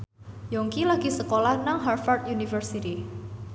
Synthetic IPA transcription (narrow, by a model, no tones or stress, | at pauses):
jɔŋkilaɡisəkolahnaŋɦarfart̪̚junifərsit̪i